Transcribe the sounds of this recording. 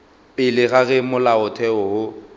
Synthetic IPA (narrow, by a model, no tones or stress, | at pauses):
pʼɪlɪɣaɣɛmʊlaʊtʰɛɔhʊ